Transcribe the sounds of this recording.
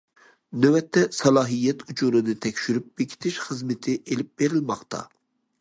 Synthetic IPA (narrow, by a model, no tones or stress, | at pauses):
nøwɛt̪ʰːɛsɑlˠɑːɦijɛt̪ʰut͡ʃʰuɾɨnɨt̪ʰɛkʲʃyɾyp̚b̥ekʲʰi̥t̪ʰɪʃχəzmɪt̪ʰɪʔelɪp̚b̥eɾɪlmɑχt̪ʰɑ̰